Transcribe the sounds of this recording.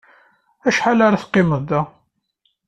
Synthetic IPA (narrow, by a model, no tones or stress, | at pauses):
æʃħalaɾaθqːɪməðæ